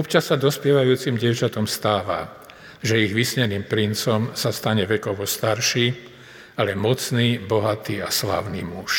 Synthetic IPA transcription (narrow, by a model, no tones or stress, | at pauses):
ɔpt͡ʃasːad̪ɔspɪɛʋajuːt͡simɟɪɛʊt͡ʃat̪ɔmst̪aːʋa̰ | ʒɛiɣʋisɲɛniːmpɾint͡sɔmsast̪aɲɛʋɛkɔʋɔst̪aɾʃiː | alɛmɔt͡sniːbɔɦat̪iːasla̰ːʊnḭːmuʃ